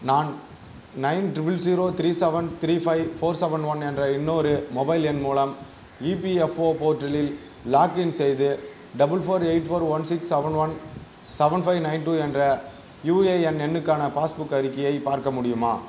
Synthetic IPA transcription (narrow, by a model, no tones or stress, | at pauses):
naːn | nɐɪnʈɾɪbɪls̬iːɾoːt̪ɪɾiːsɛʋɐɳt̪ɪɾiːfɐɪfoːɾsɛʋɐɳɖʋɐnɛndrɐɪnːoːɾɯmɔbɐɪlɛnmuːlɐm | iːpiɛfoːpoːʈːɐlɪl | laːkɪnsɛjðɯ | ɖɐbɯlfoːɾeɪʈfoːɾʋɐnsɪksɐʋɐɳʋɐn | sɛʋɐɳɖfɐɪʋnɐɪnʈuːɛndrɐ | juːeːɛnɛnːɯkːaːnɐpaːsbʊkːɐɾɪkːɐjɐɪpaːɾkɐmʊɽɪjɯma̰ː